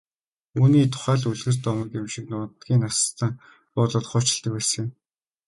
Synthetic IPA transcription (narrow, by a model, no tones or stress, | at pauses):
uːniːt̪ʰʊ̥χæːɮuɮɣɘ̆rt̪ɔmə̆kɪmʃɪ̆k̚nʊːnt̪ɡʲiːŋnast̪ʰə̆ŋ | pɔːɮə̆t̪χʊːt͡ɕɪ̆ɬt̪ə̆k̚pæːs̆ĕ